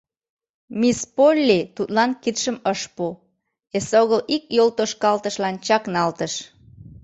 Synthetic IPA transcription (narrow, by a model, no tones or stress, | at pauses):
mispolʲːit̪ut̪lɑnkit̪ʃəməʃpu | esoɣəlikjolt̪oʃkɑlt̪əʃlɑnt͡ɕɑknɑlt̪əʃ